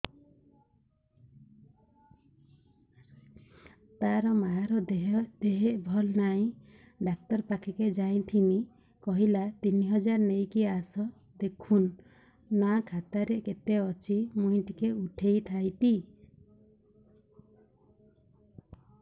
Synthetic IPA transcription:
t̪aɾɔmaɦaɾɔd̪̥eɦeʔbʱɔlnaĩ | ɖak̚t̪ɔɾpakʰiked͡ʒaj̃t̪ʰini | kɔɦilat̪iniɦɔd͡ʒaɾnejkiasɔ | d̪ekʰunː | akʰat̪aɾeʔket̪eɔt͡ʃʰimuj̃t̪ikeuʈʰejt̪ʰajt̪i

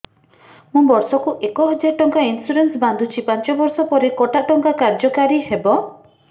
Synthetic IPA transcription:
mũbɔɾsɔkuʔekɔɦɔd͡ʒaʈɔŋkainsuɾensband̪ʱut͡ʃʰipãnt͡ʃɔbɔɾsɔpɔɾekɔʈaʈɔŋkakaɾd͡ʒɔkaɾihebɔ

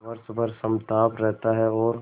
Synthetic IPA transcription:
ʋɐɾsbəɾsɐmt̪aːpɾɛɦt̪aɦɛɔːɾ

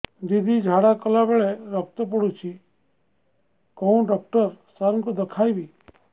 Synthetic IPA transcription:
d̪id̪ʱid͡ʒʱaɽakɔlabeɭeɾɔk̚t̪əp̬ɔɽut͡ʃʰi | kɔũɖɔk̚ʈəɾsaŋkod̪əkʰajbi

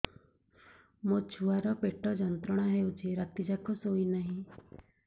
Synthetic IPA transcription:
mot͡ʃʰuaɾɔpeʈɔd͡ʒɔnt̪ɾɔɽ̃aɦewt͡ʃʰiɾat̪id͡ʒakɔsoinaɦĩ

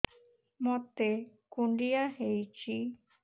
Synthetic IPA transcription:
mɔt̪ekuɳɖijaɦejt͡ʃi

